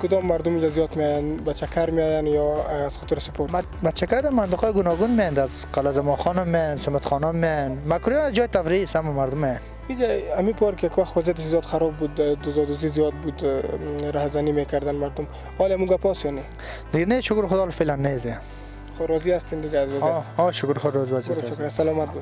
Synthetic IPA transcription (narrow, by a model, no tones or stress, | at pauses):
kʊd̪ɔmːaɾd̪ʊmid͡ʒazijɔt̪meɔjanbat͡ʃʰakʰaɾmeɔjanjɔːz̥xɔt̪ɾsɪpoɾb | bat͡ʃʰːakaɾd̪amant̪ɪqɔjɡʊnɔɡunmejand̪azqalazamɔχɔnɔmːejansɪmat̪χɔnɔmːejanmakuɾjɔnad͡ʒɔːjt̪afɾiisamɔmaɾd̪ʊmːejan | id͡ʒaamipʰɔɾkɪjakwaxt̪wazijat̪ɪʃzjɔt̪xaɾɔbːud̪d̪ʊzɔd̪ʊzizijɔd̪̚bud̪ɾahzanimekʰaɾd̪anmaɾd̪ʊm | hɔlamuɡapʰɔsjɔne | d̪ɪɡaneʃʊkɾxʊd̪ɔːlfelanːeze | xoɾɔziast̪ind̪ɪɡaːzʋazjɔʃʊkɾχoɾɔziaziiɾʃʊkɾasalɔmat̪̚bud̪